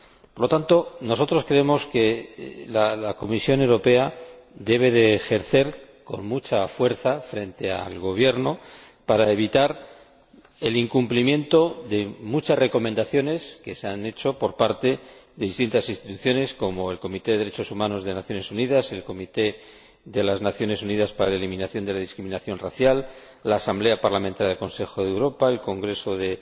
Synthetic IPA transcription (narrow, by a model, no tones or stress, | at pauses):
poɾlo̞t̪ant̪o̞no̞so̞t̪ɾo̞skɾeemo̞ske̞lalako̞misjo̞ne̞wɾo̞pe̞aðe̞β̞e̞ðe̞ːxe̞ɾθe̞ɾ | ko̞nmut͡ʃafwe̞ɾθafɾe̞nt̪e̞a̰lɣo̞β̞je̞ɾno̞paɾae̞β̞it̪aɾ | e̞liŋkumplimjẽ̞nt̪o̞ðe̞mut͡ʃasre̞ko̞mend̪aθjo̞ne̞ske̞seane̞t͡ʃo̞po̞ɾpaɾt̪e̞ðe̞ðist̪int̪asinst̪it̪uθjo̞ne̞sko̞mo̞e̞lko̞mit̪e̞ðe̞ðeɾet͡ʃo̞sumano̞zðenaθjo̞ne̞suniðase̞lko̞mit̪e̞ | ðe̞laznaθjo̞ne̞suniðaspaɾa̰laelimĩnaθjo̞nd̪e̞laðiskɾimĩnaθjo̞nraθjalː | aːsamble̞apaɾlamẽnt̪aɾjaðelko̞nse̞xo̞ðewɾo̞pae̞lko̞ŋɡɾe̞so̞ðe̞